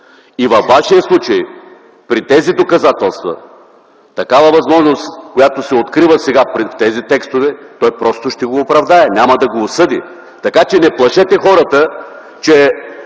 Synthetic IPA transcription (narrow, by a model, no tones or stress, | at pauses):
ivɐfːaʃiəslˠut͡ʃɐj | pɾit̪ɛzid̪okɐzat̪ɛlˠst̪vɐ̰ | t̪ɐkavɐvɐzmɔʒnost̪kojat̪osɛot̪kɾivəsɛɡapɾft̪ɛzit̪ɛkst̪ovɛt̪ɔjpɾɔst̪oʃt̪ɛɡoːpɾɐvd̪aɛnʲamɐd̪ɐɡoːsɤd̪ḭ | t̪ɐkat͡ʃɛnɛplˠɐʃɛt̪ɛxɔɾət̪ə | t͡ʃɛ